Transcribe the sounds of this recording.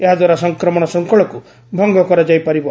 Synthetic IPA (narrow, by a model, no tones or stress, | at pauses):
eɦad̪waɾasɔŋkɾɔmɔɽ̃ɔsɔŋkɔɭɔku | bʱɔŋɡɔkɔɾad͡ʒajpaɾibɔ